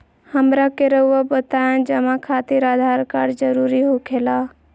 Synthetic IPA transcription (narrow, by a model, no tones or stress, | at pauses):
həmɾakeɾəuabət̪aẽd͡ʒəmakʰat̪iɾaːd̪ʱaɾkaɾd͡ʒəɾuːɾiɦokʰela